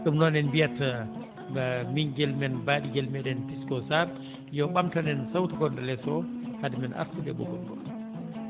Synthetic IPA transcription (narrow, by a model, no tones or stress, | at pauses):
sumnɔnɛnbijata | ɡamiɲɡɛlmɛnbaɗiɡɛlmɛɗɛntiskɔsaɾ | jɔɓamtanɛnsawtaɡɔndalɛsɔhadimɛnʔa̰ɾsubɛ̰bɔ̰ɡɔnɡɔ̰